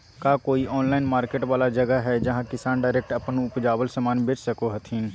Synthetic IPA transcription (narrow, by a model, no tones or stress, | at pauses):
kaːkoːiʔɔːnlaːɪnmaːɾkeːʈʋaːlad͡ʒɐɡəɦɛd͡ʒɐɦãkɪsaːnɖaːɾek̚ʈɐpnʊpd͡ʒaːbəlsəmaːnbɪt͡ʃsɐkoɦɐt̪ʰĩː